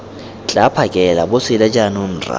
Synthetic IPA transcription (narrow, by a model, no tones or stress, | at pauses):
t͡ɬʼapʰakʼɛlabʊsɪlɛd͡ʒʼanʊn̩ːra̰